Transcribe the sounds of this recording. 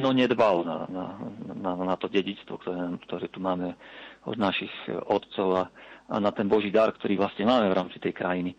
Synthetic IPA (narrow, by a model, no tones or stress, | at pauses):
nɔɲɛd̪balna̰na̰nanat̪ɔɟɛɟit͡st̪ʋɔ̰kt̪ɔɾɛːnaːmkt̪ɔɾɛːt̪umaːmɛɔ̰d̪naʃixɔt̪t͡sɔʊaʔa̰nat̪ɛnbɔʒiːd̪aɾkt̪ɔɾiːʋlasɲɛmaːmɛvɾʔaːmt͡sit̪ɛjkɾajini